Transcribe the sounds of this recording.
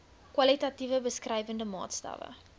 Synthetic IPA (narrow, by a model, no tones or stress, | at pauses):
kwɐlitɐtivəbəskrɛjvəndəmɑ̰ːtstɐ̰və̰